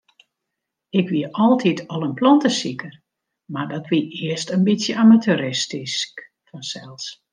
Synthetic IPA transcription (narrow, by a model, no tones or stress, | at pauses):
ɪkʋiəɔlˠtʰitʰɔlˠənplɔntəsikʰər | mardɔtʋiɪəstənbitsjəamatyɾɪstisk | fɔnsɛlˠs